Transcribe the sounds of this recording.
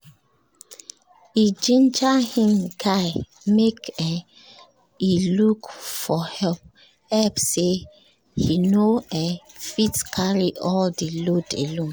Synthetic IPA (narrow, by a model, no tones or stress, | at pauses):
id͡ʒĩnd͡ʒahĩmkʰaɪ | mekɛ | ilukfɔhɛlp̚ | ɛlpse | hinoɛfitkʰaɹiʔɔldilodḛlõn